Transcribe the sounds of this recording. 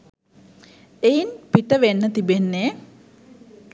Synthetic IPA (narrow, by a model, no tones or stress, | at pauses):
ejinpiʈəʋenːət̪ibenːe